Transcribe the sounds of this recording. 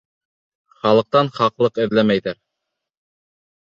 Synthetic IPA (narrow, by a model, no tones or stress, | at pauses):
χɑlˠɤ̆q̚t̪ɑnχɑqlˠɤqɘ̆ðlæmæjðæɾ